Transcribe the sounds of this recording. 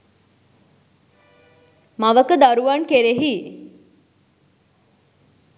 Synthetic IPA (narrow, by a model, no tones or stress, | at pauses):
maʋəkəd̪aɾuʋaɳkeɾeɦi